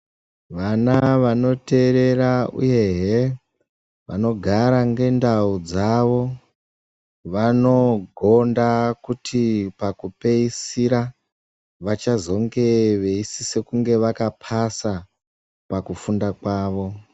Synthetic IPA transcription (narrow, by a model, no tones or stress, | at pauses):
ʋanaʋano̞te̞ɾe̞raṵje̞ɦe | ʋa̰no̞ɡʱaɾaŋɡe̞ndaud͡zaʋo̞ | ʋano̞ɡʱo̞ndakutʰipakupe̞isiɾa | ʋat͡ʃazo̞ŋɡe̞ʋe̞isise̞kuŋɡe̞ʋakapʰasa | pakufundakwaːʋo̞